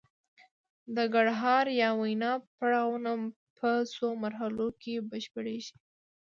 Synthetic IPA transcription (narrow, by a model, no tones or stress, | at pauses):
d̪əɡaɽɦɑɾjɑwajnɑpaɽɑwnam | pʰəsomaɾɦalokʰebəʃpəɽeʒi̥